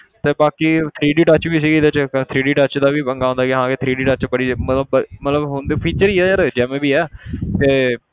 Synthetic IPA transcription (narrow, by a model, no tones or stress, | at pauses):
t̪eːbaːkiːt̪ʰɾiːɖiːʈət͡ʃbiːs̬iːɡid̪et͡ʃt̪ʰɾiːɖiːʈət͡ʃd̪aːʋiːəŋɡaːõːnd̪aːɡːɦãːket̪ʰɾiːɖiːʈət͡ʃbəɽiːmət̪ləbmət̪ləbɦõnd̪eːpʰiːt͡ʃəɾiːɛːəɾd͡ʒɛːmẽːbiːɛːt̪eː